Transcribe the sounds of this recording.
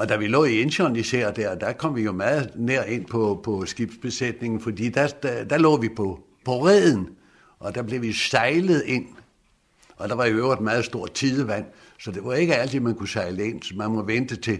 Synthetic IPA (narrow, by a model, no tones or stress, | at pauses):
ɒ̽d̥æʋilɔ̰̽ːie̝nɕɒnisæɐ̰d̥æɐ̰d̥ækʰɒ̽m̰ʋijo̝mæːð̩ˠneɐ̰e̝n̰pʰɒ̽pʰɒ̽sɡ̥ib̥sb̥e̝sed̥ne̝ŋn̩fɒd̥ḭːd̥æd̥d̥ælɔ̰ːʋipʰɒ̽ | pʰɒ̽ʁɛð̰ˠn̩ | ʔɒ̽d̥æb̥le̝ʋisɑ̈ɪləð̩ˠe̝n̰ | ɒ̽d̥ɑ̈ʋɑ̈jo̝øʊɐd̥mæːð̩ˠsd̥o̝ɐ̰t͡sʰiðˠəʋæn̰ | sɒ̽d̥e̝ʋɑ̈e̝ɡ̥əæl̰t͡sʰimænkusɑ̈ɪləe̝n̰smænmɔ̽ʋend̥ət͡sʰe̝